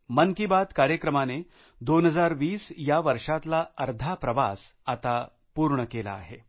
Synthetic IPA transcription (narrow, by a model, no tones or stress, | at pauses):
mənkibad̪kaɾjəkɾəmane | d̪onɦəd͡zaɾʋiːsjaʋəɾʂat̪laəɾd̪ʱapɾəʋa̰sat̪a | puːɾɳəkela̰ːɦe